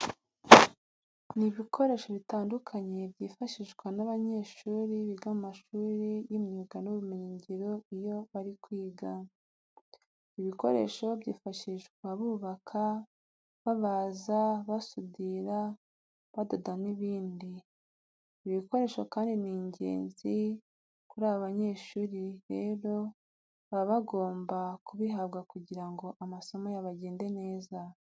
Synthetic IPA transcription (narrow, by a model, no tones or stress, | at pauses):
niβikʰo̞ɾe̞ʃo̞βitaːndukʰaɲe̞bɟiːfaʃiʒɡwanaβaɲe̞ːʃuːɾiβiɡamaʃuːɾijimɲiɡanuβumeɲiɲɟiɾo̞ijo̞βaɾikwiːɡa | iβiko̞ɾe̞̰ʃo̞bɟiːfaʃiʃɡwaβuːβakʰa | βaβazaβasudiɾa | βadodaniβiːndi | iβiko̞ɾe̞ʃo̞kaːndiniːɲɟe̞̰ːnzi | kuɾaːβaβaɲe̞ːʃuːɾiɾe̞ːɾo̞ | βaβaɡo̞ːmbakuβiɦaβɡakuɟiɾaŋɡo̞ʔamaso̞majaβaɟe̞ːnde̞ne̞ːza